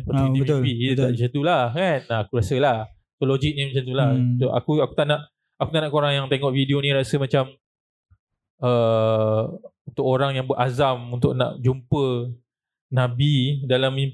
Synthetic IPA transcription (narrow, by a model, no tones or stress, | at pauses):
pəiimit̪piit̪ət̪aʔd͡ʒəd̪ulakanaakuɾasəlah | t̪olod͡ʒik̚nimãt͡ʃant̪ulaa̰kuaku̥t̪aʔnaʔ | akut̪aʔnaʔkoɾaŋjaŋt̪eŋɔʔvidionĩɾasəmãt͡ʃam | ə | unt̪ʊk̚oɾaŋjaŋbəʔazamunt̪ʊk̚na̰ʔd͡ʒumpə | nãbidalami